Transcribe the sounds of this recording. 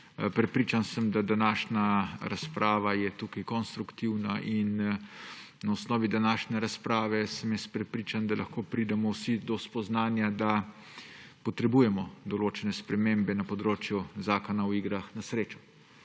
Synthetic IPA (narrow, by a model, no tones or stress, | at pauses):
pɾɛpɾiːt͡ʃansəmd̪ad̪anaːʃnaɾaspɾʔaːʋajɛt̪ukajkɔnst̪ɾukt̪iwnaʔin | naɔsnɔːʋid̪anaːʃnɛɾaspɾaːʋɛsɛmjɛst̪̚pɾɛpɾiːt͡ʃand̪alʔaxkoːpɾid̪ɛmɔwsid̪ɔspɔznaːnjad̪a | pɔt̪ɾɛbuːjɛmɔd̪ɔloːt͡ʃɛnɛspɾɛmembɛnapɔd̪ɾoːt͡ʃjuzaːkɔnawiːɡɾaxnasɾeːt͡ʃɔ̥